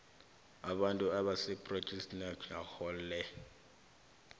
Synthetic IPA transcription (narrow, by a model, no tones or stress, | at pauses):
aɓantʼuaɓasɛpʼro̥t͡ʃʼɛstnakʰahɔlːɛ